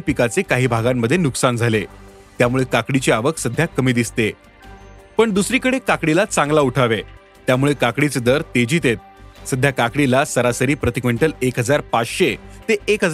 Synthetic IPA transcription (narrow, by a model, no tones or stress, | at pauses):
pikat͡sekaɦiːbʱaɡamːəd̪ʱːjenuksand͡zʱale | t̪jamuɭekakɽit͡ɕeaʋəksəd̪ʱjakəmiːd̪ist̪e | pəɳd̪usɾiːkəɽekakɽilat͡sãŋɡlauʈʰaʋe | t̪jamuɭekakɽit͡sed̪əɾt̪ed͡ʑiːt̪et̪̚səd̪ʱːjakakɽilasəɾasəɾiːpɾət̪ikʋəɳʈəlekɦəd͡zaɾpat͡sɕet̪eʔːkɦəd͡z